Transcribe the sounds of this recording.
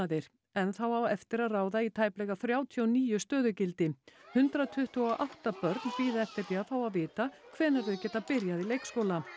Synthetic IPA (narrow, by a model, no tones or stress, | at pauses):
aðɪɾ̥ | ɛnθawawɛft̪ɪɾaðraːwðait̪ʰaːjplɛɣaθɾjaːwt̪ʰijɔwniːjʏst̪œːðʏcɪlt̪ɪhʏnt̪ɾat̪ʰʏht̪ʏɔʔawht̪apœɾt̪npiːðaɛft̪ɪɾliaθawaðvɪːt̪akʰvɛːnaɾðʏcɛːt̪apɪɾjaðilejkskowla